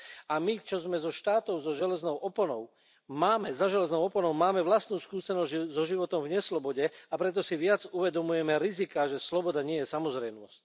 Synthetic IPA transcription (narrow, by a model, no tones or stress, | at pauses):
amit͡ʃɔzmɛzɔʃt̪aːt̪ɔʊzɔʒɛlɛznɔʊʔɔpɔnɔʊ | maːmɛzaʒɛlɛznɔʊɔpɔnɔʊmaːmɛʋlast̪nuːskuːsɛnɔzzɔʒiʋɔt̪ɔmvɲɛslɔbɔɟɛapɾɛt̪̬ɔsiʋɪad͡zuʋɛd̪ɔmujɛmɛɾizikaʒɛslɔbɔd̪aɲɪɛjɛsamɔzɾɛjmnɔsc̚